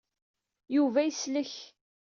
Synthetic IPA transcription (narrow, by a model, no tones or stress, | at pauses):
juvæjəsləç